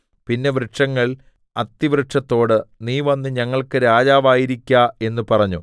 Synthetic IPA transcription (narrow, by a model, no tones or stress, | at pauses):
pinːe̞ʋrɨʈʂɐŋːɐɭ | ɐt̪ːiʋrɨʈʂɐt̪ːo̞ːɽɨniːʋɐnːɨɲɐŋːɐɭkɨɾaːd͡ʑaːʋaːjiɾikʲːae̞nːɨpɐrɐɲːu